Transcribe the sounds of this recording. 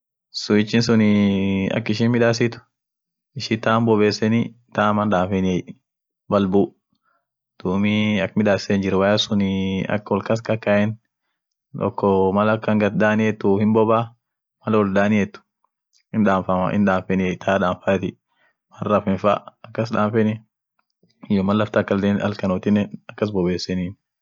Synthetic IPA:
sʊɪt͡ʃːɪnsʊnɪɐ̰kːɪʃ̬iːnmɪᶑ̪aːsɪt̪ʊ̥ | ɪʃit̪aːmbɔbeːsːɛni | t̪aːmɐnᶑ̪aːfɛnɪɛj | bɐlbuː | d̪̥umiɐkːmɪᶑ̪aːssɛnd͡ʒɪɾɛwajɐsʊnɪɐ̰kːwɔlkɐs̬kɐkːaʔɛn | ɔ̰kːɔmɐlɐkːɐŋɡɐt̪̚d̪aːnɪɛt̪ːʊhɪnbɔbaː | mɐlɐwɔld̪aːnɪɛt̪ːʊ̥ | hɪnᶑaːmfɐma̰ɪ̰nᶑaːmfɛnɪɛjt̪ʰaːᶑaːɱfaːt̪ɪ | mɐrɐfɪnfa̰ːɐkːɐs̬ᶑaːmfɛnɪ | ɪjomɐlːɐft̪ɐkːɐld̪eːnɐ̰lkɐnɔt̪ɪnɛɐkːɐs̬bɔbeːsːɛniːn

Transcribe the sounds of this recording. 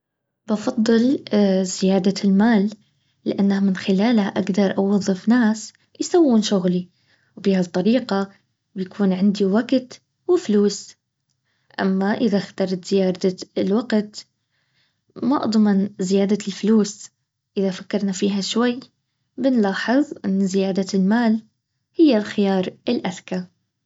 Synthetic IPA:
bɑfɑd̪ˤːɨlz̥ɪjaːd̪almaːlː | ɪʔanːahamɪnxɪlaːlhaʔaɡd̪ɑɾˤʔɑwɑðˤːɨfnaːs | jsawːuːnʃʊɣli | wbiːhat̪ˤːɑɾiːqa | bjakʰuːnʕɪnd̪iwaɡt̪ | wɪfluːs | ʔa̰mːaʔɪðaxt̪ɑɾˤɑt̪z̥ɪjaːd̪aɪlwaɡt̪ | maʔd̪ˤmɪnzɪjaːd̪alfluːs | ʔɪðafakːɑɾˤnafiːɦaʃwajː | bɪnlɑːħɨðˤʔɪnːzɪjaːd̪almaːl | hɪjːalxɪjɑːɾˤɪlʔaðka

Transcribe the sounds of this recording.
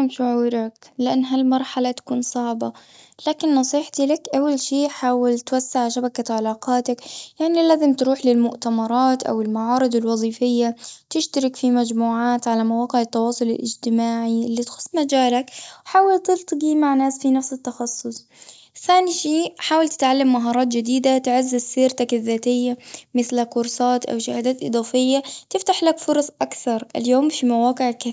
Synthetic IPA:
amʃʊʕuːɾaklɪʔanːɦalmɑɾˤħalat̪ḁkuːnsˤɑʕba | laːkɪnːɑsˤiːħt̪ilakʔawːalʃiːħaːwalt̪wasːaʕʃabakaʕalaːqɑːt̪akjaʕnilaːzɪmt̪ɾuːħlɪlmʊʔt̪amɑɾˤɑːt̪ʔa̰wɪlmaʕɑːɾˤɨd̪ˤɪlwɑðˤiːfɪjːat̪ɪʃt̪aɾɪkfimad͡ʒmuːʕaːt̪ʕalamawɑːqɪʕɪt̪ːɑwɑːsˤʊlɪ̰lʔɪ̰d͡ʒt̪ɪmaːʕiʔɪlːit̪xʊ̥sˤːmad͡ʒaːlakwħaːwalt̪ɪlt̪ˤɡiːmaʕnaːsfinafsɪt̪ːɑxɑsˤːʊsˤ | θaːniʃiːħaːwalt̪ɪ̥t̪ʕalːamːaɦɑːɾˤɑːt̪̬d͡ʒɪd̪iːd̪at̪ɪʕazːɪzsiːɾt̪akɪðːaːt̪ɪjːamɪθlakʊɾˤsˤɑːt̪ʔa̰wʃahaːd̪aːt̪ʔɨ̰d̪ˤɑːfɪjːat̪ɪft̪aħlakfʊɾˤɑsˤʔakθɑɾˤʔɪ̰ljoːmfimawɑːqɪʕka

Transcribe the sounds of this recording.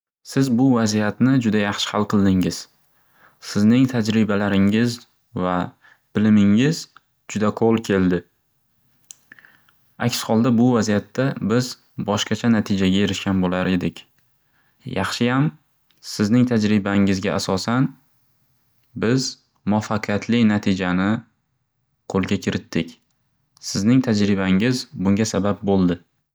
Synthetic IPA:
sɪzbʊvazijat̪nɪd͡ʒʊd̪ajɑχʃɪ̥halˠqʰɨlˠd̪ɪŋɪz̥ | sɪznɪŋt̪ʰad͡ʒɾɪbalaɾɪŋɪz | va | b̥ɪlɪmɪŋɪz | d͡ʒʊd̪aqʰolˠkʲʰe̞ld̪ɪ | a̰kʲshɒlˠd̪abʊvazijat̪ʰːabɪz | bɒʃqɑt͡ʃʰanat̪ʰɪd͡ʒaɡʲae̞ɾɪʃkʲanbolaɾe̞d̪ɪkʲ | jɑχʃɪjam | sɪznɪŋʰad͡ʒɾɪbaŋɪzɡʲaʔasɒsan | bɪz | mʊɒfːaqʰɨjat̪ʰlɪnat̪ʰɪd͡ʒanɪ | qʰolˠɡʲakʲʰɪɾɪt̪ʰːɪkʲ | sɪznɪŋt̪ʰad͡ʒɾɪbaŋɪzbʊŋʲasabap̚bolˠd̪ɪ

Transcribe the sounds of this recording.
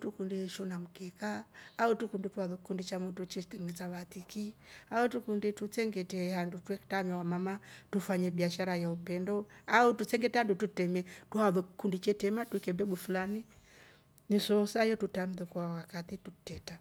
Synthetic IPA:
tukundiʃunam̩kɛkaːutukundituaðɔkikundit͡ʃamutut͡ʃitɛŋɛt͡saβatikiautukunditut͡sɛŋɡɛtɛhandutwɛktamɛwamamatufaɲɛbiaʃaɾajaupɛndɔautut͡sɛŋɡɛtɛhandututɛmɛtuaðɔki̥kundit͡ʃɛtɛmatwikɛbɛbufulani | nisɔsaijɔtutam̩ðukwawakatitutɛta

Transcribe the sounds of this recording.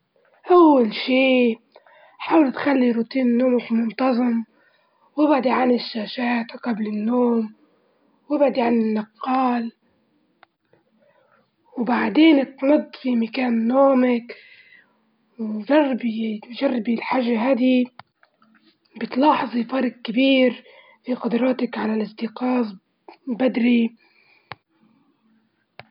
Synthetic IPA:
ʔawːalʃiː | ħaːwɪlt̪xalːiɾut̪iːnːoːmakmʊnt̪ˤɑzˤɨm | wɪbʕd̪iʕanɪʃːaːʃaːt̪qablɪnːoːm | wʔɪbʕd̪iʕanɪnːɑqːɑːl | wbaʕd̪eːnt̪nʊd̪ˤːfimakaːnːoːmak | wʒɑrˤːbiʒarˤːbilħaʒːaɦaːd̪i | bɪt̪lɑːħzˤifɑɾˤɡ̚kabiːɾ | fiqʊd̪ɾˤɑːt̪akʕalalʔɪsˤd̪ɪqɑːz | bad̪ɾi

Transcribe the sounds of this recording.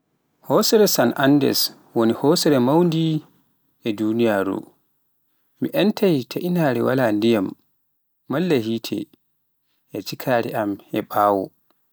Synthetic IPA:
hɔsɛɾɛsanʔandɛ̰s | wonihɔːsɛɾɛmawndi | ʔɛdunijaːɾṵ | miʔɛntʰajtʰaʔinaːɾɛwa̰laːndijamː | alːaɦiːtʰɛ̰ | ʔɛt͡ʃikʰaːɾɛ̰ʔamɛɓaːwɔ̰

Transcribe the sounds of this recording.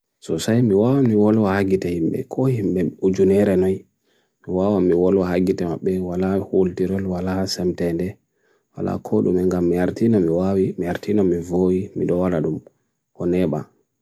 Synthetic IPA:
sɔsajmiwawamiwɔlwahaɡitahimɓɛ̰kʰɔhimɓɛud͡ʒunɛɾɛnɔj | miwawamiwɔlwahaɡitɛmaɓːɛwalahultiɾɛlwalasɛmtɛndɛ | wa̰la̰kʰɔɗumɛŋɡamːiaɾtinamiwawimiaɾtʰinamivowimiɗɔwalaɗum | ʔɔnɛɓa̰

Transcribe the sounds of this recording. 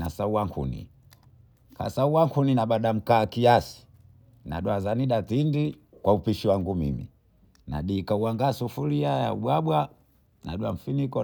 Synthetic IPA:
nasauwaŋkʰṵnḭ | ka̰sauwaŋkʰuninaɓaɗam̩kaːkiasi̥ | na̰ɗwazaniɗatindi | kwaupiʃiwaŋɡumḭmḭ | na̰ɗiːkauwaŋɡasufuliaja̰uɓwabwa | na̰ɗwa̰m̩finikɔ

